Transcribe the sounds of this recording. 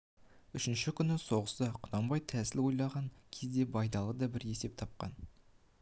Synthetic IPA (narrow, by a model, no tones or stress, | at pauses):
ʏʃɪnʃɪkʲʰʏnɪso̞ʁəsəqʰʊnɑmbɑjt̪ʰæsɪlwo̞jlˠɑʁɑŋkʲʰe̞zd̪e̞bɑjd̪ɑlˠəd̪ɑbɪɾje̞se̞p̚t̪ʰɑp̚qɑ̰n